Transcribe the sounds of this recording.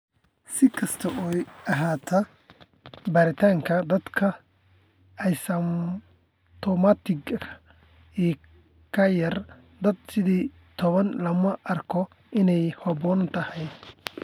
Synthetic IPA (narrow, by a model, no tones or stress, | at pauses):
sɪkʰɐst̪ʰɐʔɔɐɦaːt̪ʰɐ | baːɾɪt̪ʰaːŋkʰɐd̪ɐd̪kʰɐ | ɐjsɐm | t̪ʰɔmat̪ʰɪɡʰɐ | iː | kʰɐjɐr | d̪ɐd̪sɪðiː | t̪ʰɔβɐnlɐmɐʔɐrkʰɔ | ʔɪnɛjhɔbɔnt̪ʰɐhɛj